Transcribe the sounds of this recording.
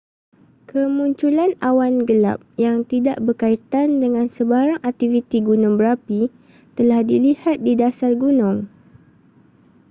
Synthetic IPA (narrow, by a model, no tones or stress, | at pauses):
kʰəmuɲt͡ʃulanawanɡəla̰p̚jaŋt̪ida̰ʔbərkait̪andəŋãnsəbaɾaŋak̚t̪ivit̪iɡunʊŋbəɾapi | t̪əlahdilihat̪̚didasarɡunʊ̃ŋ